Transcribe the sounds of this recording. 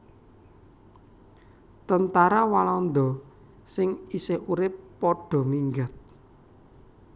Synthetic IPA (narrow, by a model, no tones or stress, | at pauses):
t̪ənt̪aɾawalɔnd̪ɔ | sɪŋisɪhuɾɪpːɔɖ̥ɔ̤miŋɡat̪̚